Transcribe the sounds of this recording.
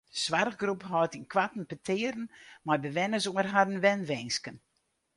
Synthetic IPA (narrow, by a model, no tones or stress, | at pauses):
sʋarɣɡrupɦɔtinkʋatn̩pətʰɪəɾən̩majbəʋɛnəzoːərɦaɾən̩ʋɛnʋɛnskən